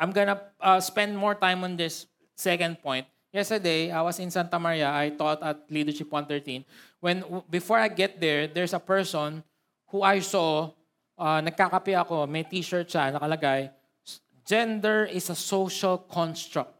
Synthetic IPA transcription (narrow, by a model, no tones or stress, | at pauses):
ʔãjmɡɔnɐʔɐspɛ̃nd̪̚mɔɹt̪ãjmɔ̃nd̪ɪsː | ɛkɐ̃nd̪̚pɔ̃jnt̪̚ | jɛst̪ə˞d̪ejajwɐsɪ̃nsant̪ɐmɐɾiɐajt̪ɔt̪ɐt̪̚liːd̪ɛɹʃɪpwãnθɛɹt̪ĩnwɛ̃nbɪfɔɹɐajɡɛt̪̚d̪ɛɹd̪ɛɹsɐpɛɹsɔn | huajso | ʔanɐɡ̚kakɐpɛʔɐko̞mɛjt̪iːʃɛɹt͡ʃanɐkɐlɐɡaj | d͡ʒɛ̃nd̪ɛɹɪsɐsowʃɐlkʰɔ̃nst̪ɹak̚t̪̚